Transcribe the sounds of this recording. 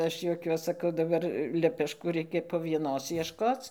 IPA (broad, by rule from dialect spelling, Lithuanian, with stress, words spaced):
ˈɐʃ juɔˈkʲuɔs sɐˈkɐʊ dɐˈbɐr lʲɛpʲɛʃˈkuː ˈrʲɛɪkʲɛ poː ʋʲiɛˈnoːs ˈiɛʃkoːt͡s